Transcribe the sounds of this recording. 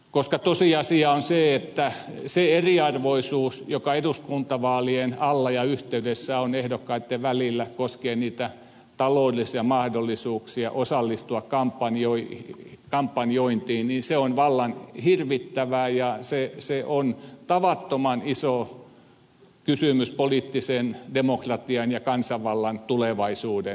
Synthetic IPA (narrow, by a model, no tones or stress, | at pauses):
koskɑt̪osiɑsiɑonseet̪ːæseeriɑrʋoisuːsjokɑeduskunt̪ɑʋɑːlienɑlːɑjɑyht̪eydesːæonehdokːɑit̪ːeʋælilːækoskeːniːt̪æ | t̪ɑloudlisiɑmɑhdolːˑisuːksiɑʔosɑlːist̪uɑkkɑmpːɑnjoikɑmpːɑnjoint̪iːnninseonʋɑlːɑnhirʋit̪ːæʋæˑjɑseseʔont̪ɑʋɑt̪ːomɑniso | kysymyspoliˑt̪ːisendemokrɑt̪iɑnjɑkɑnsɑʋʋɑlːɑnt̪uleʋɑisuːde